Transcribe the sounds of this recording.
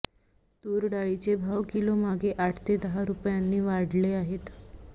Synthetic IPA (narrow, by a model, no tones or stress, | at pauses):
t̪uːɾɖaɭit͡sebʱaʋkilomaɡeʔaʈʰt̪ed̪əɦaɾupjanːiːʋaɽleaɦet̪